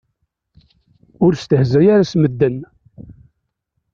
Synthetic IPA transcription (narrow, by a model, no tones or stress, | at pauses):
ʊɾst̪əhzæjaɾasməd̪ːən